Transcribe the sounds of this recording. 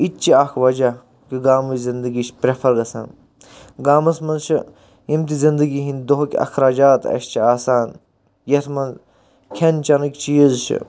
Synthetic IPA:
it̚t͡ʃiakʰʋɐd͡ʒɐ | kiɡaːmɐzind̪ɨɡiʃʰpɾefʰɐɾɡɐsa̰ːn | ɡaːmɐsmɐnt͡ʃʰi | imt̪izind̪ɨɡiɦinʲd̪oɦkʲɐ̰xɾaːd͡ʒaːt̪ɐ̰ʃt͡ʃʰiaːsaːn | jɐt̪ʰmɐn | kʲʰent͡ʃɐnɨkʲt͡ʃiːzt͡ʃʰḭ

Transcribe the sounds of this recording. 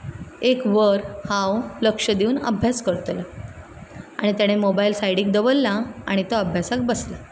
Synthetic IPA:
ekʋəɾhãwləkʂəd̪euːnə̰bʱjaskəɾt̪lə | a̰ɽ̃it̪jaɽ̃emobailsajɽiːk̚d̪əʋəlːaa̰ɽ̃it̪əəbʱjasak̚bəsla

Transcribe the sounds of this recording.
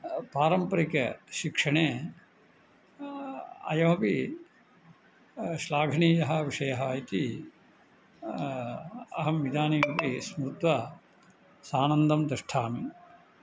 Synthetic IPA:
paːɾɐmpɐɾikɐʃikʂɐɳeː | ɐ̰jɐmɐpi | ʃlaːɡʱɐɳiːjɐɦɐʋiʂɐjɐɦɐit̪i | ɐɦɐmʋid̪aːniːmɐpismɾut̪ʋɐ | saːnɐnd̪ɐmd̪ɾɐʂʈʰaːmi

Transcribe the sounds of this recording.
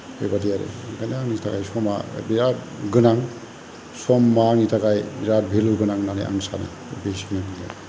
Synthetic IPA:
hojbadijaɾḛɡananitʰaɡajsɔma̰biɾa | ɡɯnaŋ | sɔmːanitʰaɡajbiɾabʱiluɡɯnaŋnanḛʔa̰ŋsa̰na̰ | besiŋabidija̰ɾe

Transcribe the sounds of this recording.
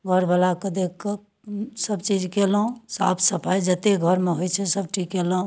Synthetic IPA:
ɡʱəɾbəlaked̪ekke | səbt͡ʃid͡ʒkelũsa̰pʰsəpʰajd͡ʒət̪eɡʱəɾmeɦojt͡ʃʰɛsəb̚ʈikeləũ

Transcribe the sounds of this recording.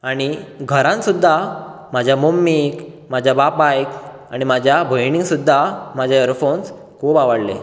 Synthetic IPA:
aɽ̃iɡʱəɾãnsud̪ʱːa | mad͡ʑʱjamomːik | mad͡ʑʱjabapbajk | aɽ̃imad͡ʑʱjabʱəjniŋɡsud̪ʱːamad͡ʑʱaəɾfons | kʰubaʋəɽle

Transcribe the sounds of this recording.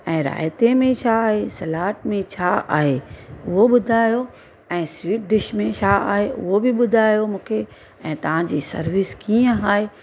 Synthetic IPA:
ɛ̃ːɾa̰ːjt̪emẽt͡ɕʰaːɦesɐlaːʈ̚mẽt͡ɕʰaa̰ːɦeʊɦoɓʊd̪ʱaːjo | ɛ̃ːswiːʈ̚ɖɪʃmẽt͡ɕʰaːa̰ːɦeʔʊ̰ɦobɪɓʊd̪ʱaːjomũːkʰe | ɛ̃ːt̪ɐʋ̤ãd͡ʑiːsɐ̰ɾʋɪskiːə̃ɦaːɦe

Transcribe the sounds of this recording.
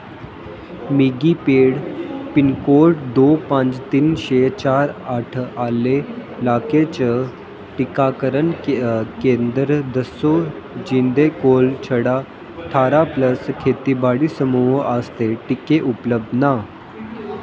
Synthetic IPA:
miɡipeːɽpinkoɾʈd̪opãt͡st̪iːnɕet͡ɕaɾaʈʰalelaket͡ɕə | ʈikakəɾənkẽnd̪ɾd̪əso | d͡ʑind̪ekolt͡ɕʰəɽa | ʈʰaɾapləskʰet̪ibaɽiːsəmuɦəst̪eʈikeʔupləb̚d̪ʱna

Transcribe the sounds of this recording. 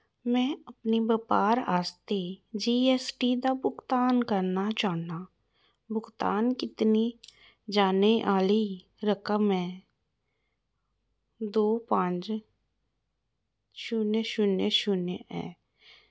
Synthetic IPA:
mɛ̃ːəpnibəpaːɾa̰ːst̪ed͡ʒiːeːsʈid̪abʊkt̪aːnkəɾnat͡ʃaːna | bʊkt̪aːnkɪt̪ni | d͡ʒaːneʔaːli | ɾəkəmɛ̃ː | d̪oːpãːt͡ʃ | ʃʊnʃʊneʃʊneɛ̰̃ː

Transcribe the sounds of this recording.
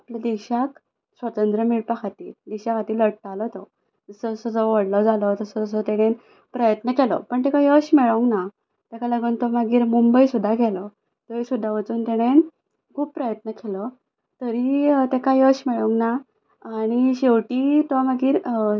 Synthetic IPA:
aplad̪iɕak | sʋət̪ənd̪ɾəmiɭpakʰat̪iːd̪iɕakat̪iːləɽʈ̪alət̪ɔ | d͡zəsɔsɔd͡zɔʋəɽlɔd͡zalɔt̪əsɔd͡zəs̬ɔt̪ɛɽ̃en | pɾəjət̪nəkɛlɔ̰pəɳt̪ɛkajəɕmɛɭəŋna | t̪ɛkaləɡuːnt̪ɔmaɡiːɾmumbəisud̪ʱːaɡɛlɔ | t̪əisud̪ʱːaʋət͡suːnt̪ɛɽ̃en | kʰuːb̚pɾəjət̪nəkɛlə | t̪əɾit̪ɛkajəɕmɛɭə̃ŋɡnaː | ɽ̃iɕeʋʈiːt̪ɔməɡiːɾ

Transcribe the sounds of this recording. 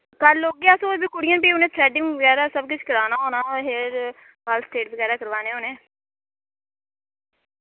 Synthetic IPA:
kəloːɡeaːsõbɪkʊɽɪiːəːnpiːʊnẽːt̪ʰɾɛːɖɪ̃ŋʋəɡɛːɾaːsəbkʊt͡ʃʰkəɾaːnaːɦoːnaːɦeɾ | ɦaːlsʈ̪eːʈ̚bəɡɛːɾaːkəɾʋaːneːoːneː

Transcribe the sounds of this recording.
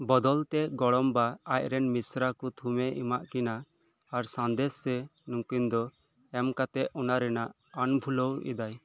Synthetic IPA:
bɔd̪ɔlt̪ɛɡɔɽɔmbaaj̚ɾɛnmisɾakut̪ʰumɛʔḭmaʔkinaː | ɾsãnd̪ɛsːɛnũŋkind̪ɔ | ɛmkat̪ɛʔɔnaɾɛnaʔ | anbʱulɔwɛ̰d̪aj

